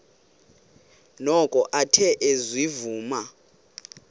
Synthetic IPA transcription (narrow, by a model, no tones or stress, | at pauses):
nɔkʼɔʔatʰɛʔezwivuːma